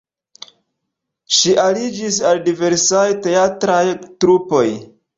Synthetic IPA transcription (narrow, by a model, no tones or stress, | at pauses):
ʃiʔalid͡ʒis̬aldive̞ɾsajte̞atɾajtɾupo̞j